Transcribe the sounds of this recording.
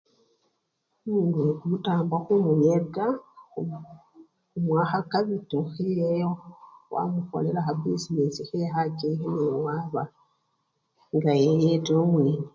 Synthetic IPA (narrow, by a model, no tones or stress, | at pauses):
mudwekumutaːmbwaxumujeɡa | umwaːxakaβitoxejejowa̰muko̰leɾaxabisinesihexacehinewaːβa | ŋɡajejetoːmwiːni